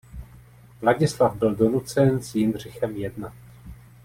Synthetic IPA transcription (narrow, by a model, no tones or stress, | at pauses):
vlaɟɪslavbɪldo̞nut͡sɛnsjɪnr̝ɪxɛmjɛdnat̪